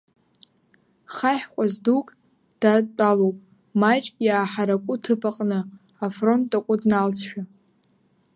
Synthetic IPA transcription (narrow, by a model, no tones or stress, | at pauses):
χaħqʷʼazdukʼ | d̥at͡pʼalowpʼ | mat͡ʃʼkʼjaːħaɾakʷʼʊtʰɨpʰaqʼnɨ | afro̞ntʼakʷʼʊdnalt͡sʰħᶣa